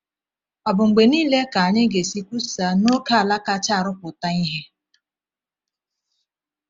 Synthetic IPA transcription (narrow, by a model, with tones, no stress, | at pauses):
ɔ˨bʊ˨ŋ͡m̩˨ɡ͡be˨niː˦le˦ka˨a˨ɲɪ˦ɡe˨si˦kʷu˦sa˨no˦ka˦a˨la˦ka˦t͡ʃa˦˨ɾʊ˦pʊ˨ta˦i˦ɦe˦